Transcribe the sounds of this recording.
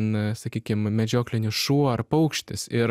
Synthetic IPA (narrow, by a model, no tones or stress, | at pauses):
nsɐkʲiːkʲɪmmʲɛd͡ʒʲoːklʲɪnʲʊʃuɔrpɐʊkʃʲt̪ʲɪsɪɾ